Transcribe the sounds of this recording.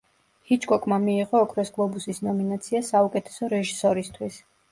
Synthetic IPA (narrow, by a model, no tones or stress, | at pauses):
hit͡ʃʰʼkʼɔkʼmamiːʁɔːkʰɾɛsɡlˠɔbusisnɔminat̪sʰiasaukʼɛt̪ʰɛ̥sɔɾɛʒisɔɾist̪ʰwis